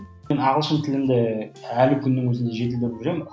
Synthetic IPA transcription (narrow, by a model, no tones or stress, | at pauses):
enɑʁəlˠʃənt̪ʰɪlɪmd̪ɪælɪkʲʰʏnːɪŋwɵzɪnd̪e̞ʒe̞t̪ɪld̪ɪɾʒejmn